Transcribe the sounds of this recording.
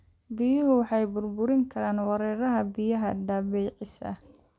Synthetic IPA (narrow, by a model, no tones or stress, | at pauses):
bɪjʊɦʊwɑħɑjbʊrbʊɾɪŋkʰɐɾaːnwɑɾɛːɾɐɦɐbɪjɐɦɐɖ̪aːβɛːʕɪsɐ̰